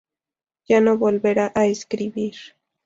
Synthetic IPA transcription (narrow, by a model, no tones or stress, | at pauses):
janobolbeɾaʔaeskɾɪbiɾ